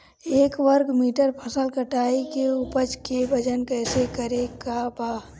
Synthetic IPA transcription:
eːkʋəɾkmiːʈəɾpʰɐsəlkɐʈaːikeʊpəd͡ʒkebɐd͡ʒənkɛːsekəɾekabaː

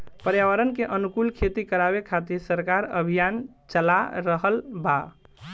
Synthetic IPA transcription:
pəɾjawəɾənkeʔənukulkʰet̪ikəɾabekʰat̪iɾsəɾkaɾə̰bʱijan | t͡ʃəla̰ɾəɦəlba

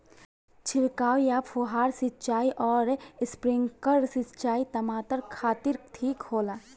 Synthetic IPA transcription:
t͡ʃʰɪɾkaːwjapʰuɦaːɾsɪt͡ʃaːiʔɔːɾɪspɾɪ̃ŋkəɾsɪt͡ʃaːit̪əmaːt̪əɾkʰaːt̪iɾʈʰiːkhoːlaː

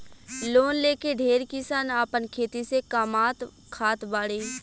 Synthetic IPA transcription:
loːnleːkeɖʱeːɾkisanaːpənkʰeːt̪isekaːmaːt̪ | kʰaːt̪baːɽeː

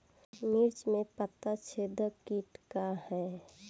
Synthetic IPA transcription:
miɾt͡ʃmẽpət̪ːat͡ʃʰed̪əkiːʈkahɛː

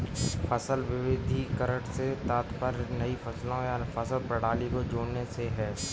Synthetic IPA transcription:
pʰɐsəlʋɪʋɪd̪ʱikəɾəɽset̪aːt̪pəɾnɐipʰɐslõjafʰɐsəlpɾɐɽ̤aːlikod͡ʒoːneseɦɛː

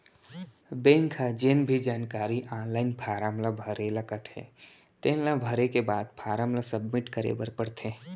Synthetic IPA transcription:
bẽːŋkʰad͡ʒenbʱid͡ʒaːnkaːɾiʔaːnlaːɪnpʰaːɾaːmlabʱəɾelɐkət̪ɦɛ̰ | t̪ẽːlãbʱəɾekebaːd̪pʰaːɾaːmlasəbmɪʈkəɾḛbəɾpəɽt̪ʰeː

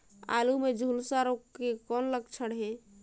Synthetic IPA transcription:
a̰lumed͡ʒʱulsaɾoekɔnləɡt͡ʃʰəɽɦe

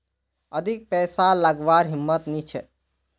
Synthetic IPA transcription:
əd̪ʱik̚pɛsaləɡʋaɾɦimːət̪nit͡ʃʰɛ

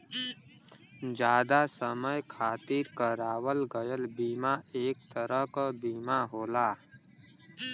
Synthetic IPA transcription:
d͡ʒaːd̪asəməjkʰaːt̪iɾkaɾaːwəlɡəjəlbiːmaeːk̚t̪əɾəɦkabiːmaɦoːlaː

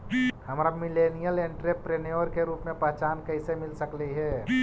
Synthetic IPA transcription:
hɐmɾamɪleːnijəlẽɳʈɾepɾenjoɾkeɾuːpmẽpəɦt͡ʃaːnkɐɦɪsemɪlsəkliɦɛː

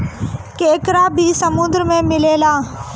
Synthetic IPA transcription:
keːkɾaːbʱisəmũːd̪əɾmẽmɪleːlaː

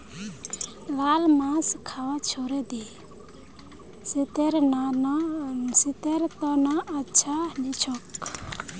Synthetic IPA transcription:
lalmãskʰawat͡ʃʰoɾɛd̪i | st̪eɾ | sit̪eɾt̪ɔnaʔət͡ʃʰanit͡ʃʰɔk

